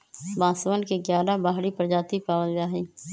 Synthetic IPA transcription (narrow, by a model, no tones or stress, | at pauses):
bãːsəʋənkeɡjaːlaːbaːɦɽipəɾd͡ʒaːt̪ipaːbənd̪aːɦeː